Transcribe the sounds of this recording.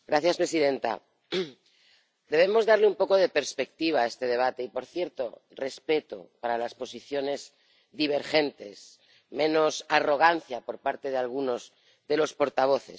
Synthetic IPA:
ɡɾaθjaspɾe̞siðe̞nt̪a̰ | d̪e̞β̞emo̞zðaɾleumpo̞ko̞ð̞e̞peɾspe̞k̚t̪iβ̞ae̞st̪e̞ð̞e̞β̞at̪eipo̞ɾθje̞ɾt̪o̞re̞spe̞t̪o̰paɾalaspo̞siθjo̞ne̞z | ðiβ̞e̞ɾxe̞nt̪e̞s | mẽ̞no̞saro̞ɣ̞anθjapo̞ɾpaɾt̪e̞ð̞ealɣuno̞z | ðe̞lo̞spo̞ɾt̪aβ̞o̞θe̞̰

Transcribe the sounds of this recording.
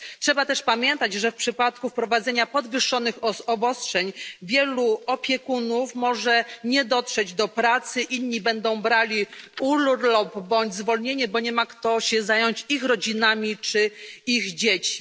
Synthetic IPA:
tʂɛbat̪ɛʂpamʲjɛnt̪at͡ɕʐɛfpʂɘpat̪kufpɾɔvad̪zɛɲapɔd̪vɘʂːɔnɘxɔbɔstʂɛɲvʲjɛluɔpʲjɛkunufmɔʐɛɲɛd̪ɔtʂɛd͡ʑd̪ɔpɾat̪sɘʔinɲːibɛnd̪ɔ̃w̃bɾalʲiulɾlɔbbɔɲd͡ʑzvɔlɲeɲɛbɔɲɛmakt̪ɔɕɛzajɔɲt͡ɕixɾɔd͡ʑinamʲit͡ʂɘiɣd͡ʑet͡ɕi̥

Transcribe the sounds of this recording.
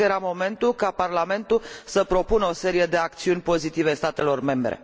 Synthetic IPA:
eɾamo̞me̞nt̪ulkaparlame̞nt̪usəpɾo̞punəo̞se̞ɾije̞d̪e̞akt̪siunʲpo̞zit̪ivest̪at̪e̞lo̞rme̞mbɾḛ

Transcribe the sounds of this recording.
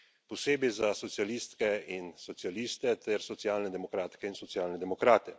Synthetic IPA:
pɔseːbizasɔtsijaliːst̪kɛinsɔt̪sjaliːst̪ɛt̪ɛɾsɔt̪sjaːlnɛd̪ɛmɔkɾaːt̪kɛinsɔtsjaːlnɛd̪ɛmɔkɾaːt̪ɛ

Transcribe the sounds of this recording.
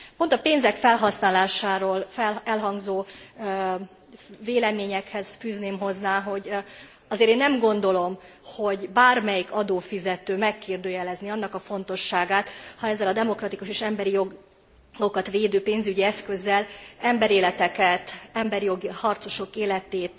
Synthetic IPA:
po̞nt̪ɒpeːnzɛkfɛlɦɒsnaːlaːʃaːɾoːlfɛlɛlɦɒŋɡzoː | veːlɛmeːɲɛkhɛz̥fyːzneːmɦo̞znaːɦo̞ɟ | ɒzeːɾeːnːɛmɡo̞n̪d̪o̞lo̞m | ho̞ɟbaːrmɛjikɒd̪oːfizɛt̪øːmɛkːeːrd̪øːjɛlɛzniɒnːɒkɒfo̞nt̪o̞ʃːaːɡaːt̪hɒɛzːɛlɒd̪ɛmo̞krɒt̪ikuʃeːʃɛmbɛɾijoɡ | o̞kɒt̪ʋeːd̪øːpeːnzyɟiɛskø̞zːɛlɛmbɛɾeːlɛt̪ɛkɛt̪ɛmbɛɾijo̞ɡihɒrt̪so̞ʃo̞keːlɛt̪eːt̪

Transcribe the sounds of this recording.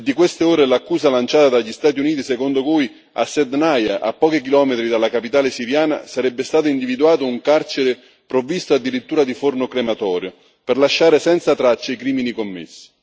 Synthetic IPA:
d̪ːikwest̪eoːɾelakːuːzalant͡ʃaːt̪ad̪aʎːist̪aːt̪iuniːt̪isekond̪okuj | a̰sːɛd̪najaʔa̰pːɔːkik̬ilɔːmet̪ɾid̪alːakapit̪aːlesiɾjaːna̰saɾɛbːest̪aːt̪̬ʊind̪ivid̪uaːt̪ʊuŋkart͡ʃeɾe | pɾovist̪oad̪ːiɾit̪ːuːɾad̪ifornokɾemat̪ɔːɾjo | perlaʃːaːɾesɛnt̪sat̪ɾat͡ʃːeikɾiːminikomːɪ̰sːi̥

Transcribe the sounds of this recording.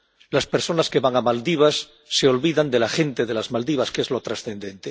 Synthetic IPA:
laspeɾso̞naske̞βaŋamald̪iβ̞asː | e̞o̞lβiðand̪elaxẽ̞nt̪e̞ð̞e̞lazmald̪iβaske̞zlo̞t̪ɾasθe̞nd̪ẽ̞nt̪e

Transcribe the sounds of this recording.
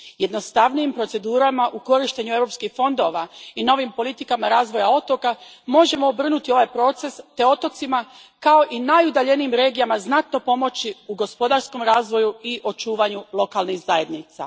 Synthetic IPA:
je̞d̪no̞st̪aʋnijimpɾo̞t̪e̞d̪uːɾamaʔuko̞ɾiʃt̪e̞ɲue̞vɾo̞pskixfo̞nd̪o̞ʋaino̞ʋimpo̞lit̪ikamaɾaːzʋo̞jao̞t̪o̞ka | mo̞ʒe̞moːbr̩nut̪io̞ʋajpɾo̞t̪se̞st̪e̞o̞t̪o̞t̪ima | kao̞ʔinajud̪aʎe̞niimɾe̞ːɡijamaznat̪no̞po̞mo̞t͡ɕiuɡo̞spo̞d̪aɾsko̞mɾaːzʋo̞juiʔo̞t͡ʃuːʋaɲulˠo̞kalˠnixzaje̞d̪nit̪sa̰

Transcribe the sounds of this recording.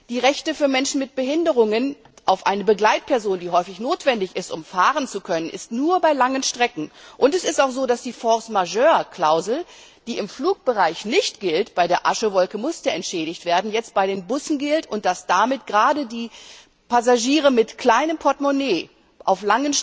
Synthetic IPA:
d̥iːʁɛçtəfyːɐmɛnʃn̩mɪt̚b̥əhɪndəʁ̞ʊŋən | ʔaʊfʔa̰ɪnəbəɡlaɪt̚pʰɛɐzoːndiːɦɔʏfɪçnoːtv̥ɛndɪçɪstʔʊmfaːʁənt͡sukʰœnənʔɪ̰stnuːɐbaɪlaŋənʃtʁ̥ɛkŋ̩ʔʊntɛsɪstaʊxz̥oːdasd̥iːfɔɐsmaʒøːɐkl̥aʊzl̩d̥iːɪmfluːk̚b̥əʁaɪçnɪçtɡ̥ɪltb̥aɪdeːɐʔaʃəvɔlkəmʊsd̥ɛɛntʃɛːɾɪçtv̥eːɐdn̩jɛt͡st̚b̥aɪdeːnbʊsn̩ɡɪltʊntd̥asd̥amɪtɡ̥əʁaːdədiː | pʰazaʒiːʁəmɪtkl̥aɪnəmpʰɔɐtmoneː | ʔaʊflaŋən

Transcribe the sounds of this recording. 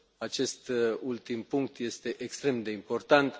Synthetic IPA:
at͡ʃe̞st̪ult̪impuŋk̚t̪je̞st̪e̞ʔekst̪ɾe̞md̪e̞impo̞rt̪ant̪

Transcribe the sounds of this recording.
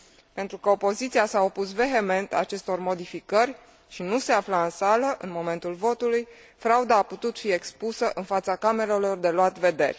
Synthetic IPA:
pe̞nt̪ɾukəo̞po̞zit̪sijasao̞pusve̞ɦe̞me̞nt̪a̰t͡ʃe̞st̪o̞rmo̞d̪ifikərʲ | ʃinuse̞aflaɨnsaləʔɨnmo̞me̞nt̪ulvo̞t̪uluj | fɾaud̪aːput̪ut̪fie̞kspusəʔɨnfat̪sakame̞lelo̞rd̪e̞loat̪ve̞d̪e̞̰rʲ

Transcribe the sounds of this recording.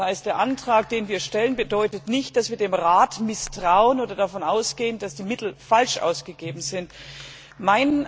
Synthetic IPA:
aɪstd̥eːɐʔantʁ̥aːk̚d̥eːnviːɐʃtɛlənbədɔʏtətnɪçt̚d̥asv̥iːɐdeːmʁaːtmɪstʁ̥aʊənʔoːdɐdafɔnʔaʊsɡ̥eːəndasd̥iːmɪtl̩falʃʔa̰ʊsɡ̥əɡeːbm̩zɪnt | maɪnə

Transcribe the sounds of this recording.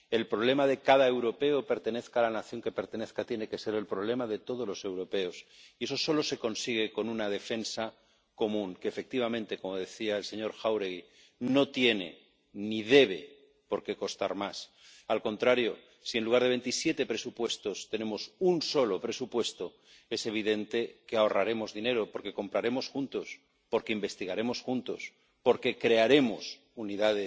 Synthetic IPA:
e̞lpɾoβle̞mað̞e̞kaðae̞wɾo̞pe̞ope̞ɾt̪ene̞θkaːlanaθjo̞ŋke̞pe̞ɾt̪ene̞θkat̪je̞ne̞ke̞se̞ɾe̞lpɾoβ̞le̞maðe̞t̪o̞ð̞olo̞se̞wɾo̞pe̞o̞sie̞so̞so̞lo̞se̞ko̞nsiɣ̞e̞ko̞nunað̞e̞fe̞nsa | ko̞mũŋkeːfe̞k̚t̪iβ̞amẽ̞nt̪e̞ko̞mo̞ðe̞θiaelse̞ɲo̞ɾxawɾeɣi | no̞t̪je̞ne̞̰ | nið̞e̞β̞e̞ | po̞ɾke̞kost̪aɾmas | alkõ̞nt̪ɾaɾjo̞ | sie̞nluɣ̞aɾð̞ee̞nt̪isje̞t̪e̞pɾe̞supwe̞st̪o̞st̪e̞ne̞mo̞sunso̞lo̞pɾe̞supwe̞st̪o | e̞se̞β̞iðe̞nt̪e̞keao̞raɾe̞mo̞zðine̞ɾo̞po̞ɾke̞ko̞mpɾaɾe̞mo̞sxunt̪o̞s | po̞ɾke̞imbe̞st̪iɣaɾe̞mo̞sxunt̪o̞̰s | po̞ɾke̞kɾe̞aɾe̞mos | uniðaðe

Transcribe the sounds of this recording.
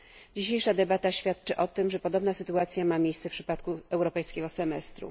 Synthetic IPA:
d͡ʑiɕejʂad̪ɛbat̪aɕfʲjat̪t͡ʂɘʔɔt̪ɘmʐɛpɔd̪ɔbnasɘt̪uat̪sʲjamamʲjejssɛfpʂɘ̥pat̪kuɛwɾɔpɛjskʲɛɡɔsɛmɛst̪ɾṵ

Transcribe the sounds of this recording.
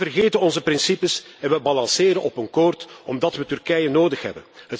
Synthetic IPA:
ərɣeːtənɔnzəprɪnsipəsɛnʋəbɑlɑnsɪːɾənɔpənkɔːrtɔmdɑtʋətyrkɛjənoːdəxɦɛ̰bənɦət

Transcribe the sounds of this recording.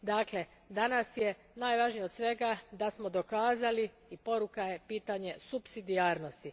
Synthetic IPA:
d̪aːkle̞ | d̪anasje̞ | naːjʋaʒnijo̞d̪sʋe̞ɡad̪asmo̞d̪o̞kaːzali | ipo̞ɾukaje̞piːt̪aɲe̞supsid̪iaːɾnost̪i

